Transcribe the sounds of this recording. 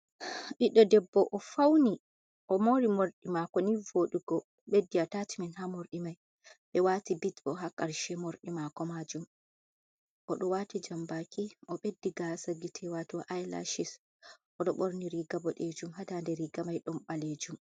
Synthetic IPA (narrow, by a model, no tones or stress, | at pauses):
ʔiɗɔdɛbːɔʔɔfawni | ʔɔmoɾimoɾɗimakɔnivoɗuɡɔ | ɓedːiatatiminɦamoɾɗimaj | ɓɛwatibitbɔɦakaɾʃɛmoɾɗimakɔmad͡ʒum | ʔɔɗɔwatid͡ʒambakiʔɔɓedːiɡasaɡitʰɛwatɔʔajla̰ʃis | ʔɔɗɔɓoɾniɾiɡabɔɗed͡ʒumhatandɛɾiɡamajɗɔnɓaled͡ʒum